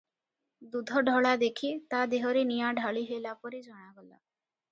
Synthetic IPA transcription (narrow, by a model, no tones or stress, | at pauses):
d̪ud̪ʱɔɖʱɔɭad̪ekʰit̪ad̪eɦɔɾenijaɖʱaɭiɦelapɔɾid͡ʒɔɽ̃aɡɔla̰